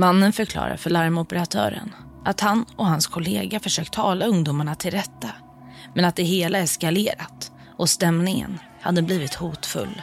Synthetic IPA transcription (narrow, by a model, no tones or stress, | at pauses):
manːənfœɾkʰlɑ̰ːɾa̰ɾfœɭaɾmɔpəɾat̪ʰœ̰ːɾə̰n | ʔat̪hanɔhanskʰʊleːɡafœʂøːk̚t̪ʰːɑːlaɵŋd̪uːmaɳat̪ʰɪlɾɛt̪ːa | mɛnat̪̚d̪ɛɦeːlaɛskaleːɾat̪ | ʔɔst̪ɛmnɪŋə̰n | had̪ːəbliːvɪt̪huːt̪fɵ̰lː